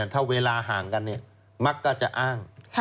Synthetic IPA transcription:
nt̪ʰa˧˥˩weː˧laː˧ɦaː˩˦ŋka˧nːi˧˥˩ɐ | ma˦˥kːaː˧˩t͡ɕa˨˩ʔaː˥˩ŋ

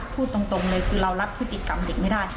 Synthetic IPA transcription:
pʰuː˥˩t̪ːo˧ŋt̪o˧ŋlɤː˧jkʰɯː˧ɾa˧wɾa˦˥pʰɾɯ˦˥t̪ːi˧ka˧mde˨˩k̚ma˥˩daː˥˩j

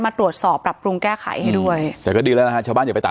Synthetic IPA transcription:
maː˧t̪ɾu˨˩ət̪̚sɔː˨˩pːɾa˨˩p̚ɾu˧ŋkɛː˥˩kʰa̰˩˦jha˥˩jdu˥˩əj̪ɛː˨˩kɔː˥˩diː˧lːlna˦˥ka˦˥t͡ɕʰaː˧˩baː˥˩nja˨˩a˧jt̪a̰˨

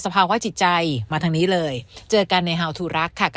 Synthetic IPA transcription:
sa˧pʰaː˧waː˧˥˩t͡ɕʰi˨˩t̪̚t͡ɕa˧jmaː˧t̪ʰa˧ŋniː˦˥lɤː˧jt͡ɕɤː˧ka˧nːa˧jɦa˧˩wt̪ʰuː˨˩ɾa˦˥kʰːa˥˩k

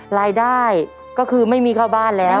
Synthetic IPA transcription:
ɾaː˧jdaː˥˩j | kɔː˥˩kʰɯː˧ma˥˩jmiː˧kʰaː˥˩wbaː˥˩nlɛː˦˥

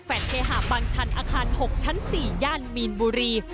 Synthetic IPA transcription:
fɛː˨˩t̪̚kʰeː˧ɦaː˨˩baː˧ŋt͡ɕʰa˧˥nʔaː˧kʰaː˧nho˨˩k̚t͡ɕʰa˦˥nsiː˨˩jaː˧nmiː˧nbuː˧ɾiː˧

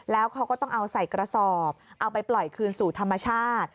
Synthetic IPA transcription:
lɛː˦˥wkʰa˦˥wkɔ˥˩t̪ɔ˥˩ŋʔa˧wsa˨˩jkɾa˧sɔː˨˩p̚ʔa˧wpa˧jplɔ˨˩jkʰɯː˧nsuː˨˩t̪ʰa˧mːa˧t͡ɕʰaː˥˩˥t̪̚

